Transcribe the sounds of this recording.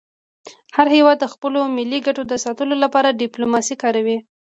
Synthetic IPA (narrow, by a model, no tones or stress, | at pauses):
haɾhewɑd̪ːəxpəlomɪliɡaʈod̪əsɑt̪əlolapɑɾaɖɪplomɑsikɑɾawi